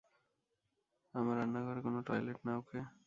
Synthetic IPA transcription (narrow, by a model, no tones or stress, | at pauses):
amaɾanːaɡɔɾekonoʈɔjleʈnaokʰe